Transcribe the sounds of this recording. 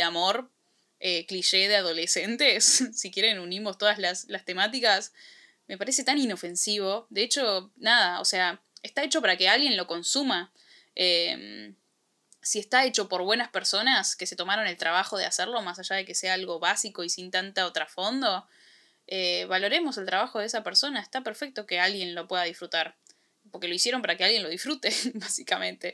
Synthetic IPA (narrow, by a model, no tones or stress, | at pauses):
amo̞ɾ | ekliʃe̞ðeaðo̞le̞se̞nt̪e̞sːikje̞ɾenunimo̞st̪o̞ðazlaslast̪e̞mat̪̬ikas | me̞paɾe̞se̞t̪anino̞fe̞nsiβ̞o̞ðe̞et͡ʃo̞nað̞ao̰sea | est̪aet͡ʃo̞paɾake̞alɣje̞nlo̞ko̞nsuma | em | sie̞st̪ae̞t͡ʃo̞po̞ɾβwe̞naspe̞ɾso̞naske̞se̞t̪o̞maɾo̞ne̞lt̪ɾaβ̞axo̞ð̞easeɾlo̞masaʒað̞e̞ke̞seaalɣo̞βasiko̞isint̪ant̪aot̪ɾafo̞nd̪o̞ | eβalo̞ɾe̞mo̞selt̪ɾaβ̞axo̞ð̞eesapeɾso̞naest̪apeɾfek̚t̪o̞kealɣje̞nlo̞pwe̞ðað̞isfɾut̪aɾ | po̞ɾke̞lo̞isje̞ɾo̞mpaɾakealɣjenlo̞ð̞isfɾut̪e̞basikamẽ̞nt̪e̞